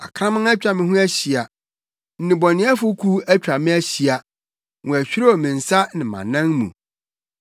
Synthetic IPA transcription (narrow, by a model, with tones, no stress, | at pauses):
a̰˨kʰɾã˦mã˦a˦t͡ɕᶣa˨mɪ̃˦ɦʊ̃˦æ˦ɕi˨a˨ | n̩˨nɪ̃˨bɔ˨nɪ̃˨˦a˦fʊ˦kʰu˦æ˦t͡ɕᶣɾa˨mɪ̃˦æ˦ɕi˨a˨ | ŋʊ̃˨æ˨ɕᶣi˦ɾa˦ɔ˨mɪ̃˨n̩˨sa˦nɪ̃˨mã̰˨nã˦ŋmṵ̃˨